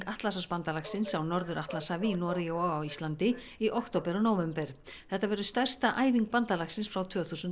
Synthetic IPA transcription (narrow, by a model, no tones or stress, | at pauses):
kaht̪lasaspant̪alaxsɪnsawnɔɾðʏɾʔaht̪lasavinɔɾɪjowɔawist̪lant̪ɪ | iʔowkt̪oːwpɛɾɔnowvɛmpɛɾ̥θɛht̪ːavɛɾʏst̪ar̥st̪aʔaːjviŋk̚pant̪alaxsɪnsfɾawt̪ʰvœːθusʏn